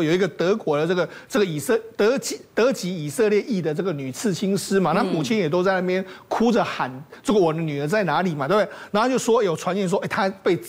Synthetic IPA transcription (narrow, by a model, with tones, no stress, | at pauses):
jo˨˩ʊi˧˦ɡə˨t̪ɤ˧˥kwɔ˧˥d̪ə˨˧ʈ͡ʂɤ˥˩ɡə˩ʈ͡ʂɤ˥˩ɡə˩i˨˩sə˥˧t̪ɤ˧˥t͡ɕi˧˥t̪ɤ˧˥t͡ɕi˧˥i˨˩sɤ˥˧ljɛ˥˧ʔi˥˩d̪ə˩ʈ͡ʂɤ˥˩ɡə˩ny˨˩t͡sʰɹ̩˥˩t͡ɕʰi˥ŋʂɻ̩˥ma˨na˥˩mu˨˩t͡ɕʰi˥njɛ˨˩t̪o˥ʊt͡sa˥˧ɪna˥˩pjɛ˥nkʰu˥d͡zə˨xa˨˦nt͡sə˥˩ɡə˨wɔ˨˩˧ny˨˩ə˧˦t͡sa˥˩ɪna˧˥li˨˩ma˨t̪e˥˩be˨˩ɪna˧˥˧t͡ɕjʊʂwɔ˥˩jo˨˩ʊʈ͡ʂʰwa˧˦njɛ˧˥nʂ̬ɔ˦ʔe˥˩t̪ʰa˥pe˥˧ɪ